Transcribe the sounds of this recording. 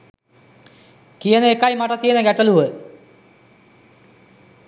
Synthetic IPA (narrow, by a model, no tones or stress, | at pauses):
kijənəekajmaʈət̪ijənəɡæʈəluʋə